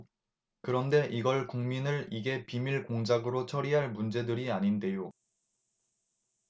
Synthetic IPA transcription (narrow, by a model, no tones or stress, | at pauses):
kɯɾʌnde̞ʔiɡʌɭkuŋminɯɭiɡe̞pimiɭkoŋd͡ʑaɡɯɾot͡ɕʰʌɾiɦaɭmund͡ʑe̞dɯɾiaɲinde̞jo